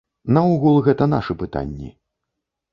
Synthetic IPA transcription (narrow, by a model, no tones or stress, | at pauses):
nɐuɣulˠɣɛt̪ɐn̪a̰ʂɨpɨt̪a̰nʲːḭ